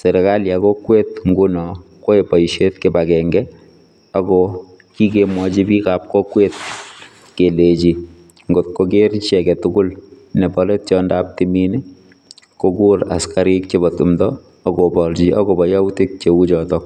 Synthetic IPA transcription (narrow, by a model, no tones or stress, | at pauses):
seɾɛkaljakokwetŋɡunɔ | koepɔiʃetkebakɛŋɡɛ | aɡɔ | kikemwɔt͡ʃibikap̚kokwet̚ | kelet͡ʃi | ŋɡot̚kokeɾt͡ʃɛkɛtʊɡʊl | nɛbɔlet̚t͡ʃɔːndaːp̚timini | kokuɾa̰skaɾik̚t͡ʃebɔtumdɔː | ɡobɔlt͡ʃiʔakobɔjawtik̚t͡ʃewut͡ʃɔtɔk̚